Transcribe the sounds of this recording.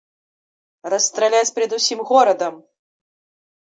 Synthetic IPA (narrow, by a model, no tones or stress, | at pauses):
rɐst̪ɾalʲat͡sʲpɾʲɛd̪usʲimɣɔɾɐd̪ɐm